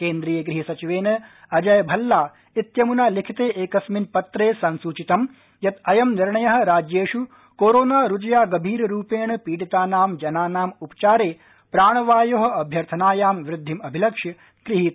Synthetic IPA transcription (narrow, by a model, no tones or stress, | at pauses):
keːnd̪ɾiːjɐɡɾiɦisɐt͡ʃiʋeːnɐɐd͡ʒɐjɐbʱɐlːaː | it̪jɐmunaːlikʰit̪eːʔeːkɐsminpɐt̪ɾeːsɐnsuːt͡ʃit̪ɐm | jɐt̪ɐjɐmniɾɳɐjɐɦɐ̆ɾaːd͡ʒjeːʃu | koːɾoːnaːɾud͡ʒɐjaːɡɐbʱiːɾɾuːpeːɳɐpiːɽit̪aːnaːmd͡ʒɐnaːnaːmupɐ̥t͡ʃaːɾeː | pɾaːɳ̃ɐʋaːjoɦɐ̆ɐbʱjɐɾt̪ʰɐnaːjaːmʋɾɪd̪ʱːimɐbʱilɐkʂɐ | ɡ̥ɾiɦiːt̪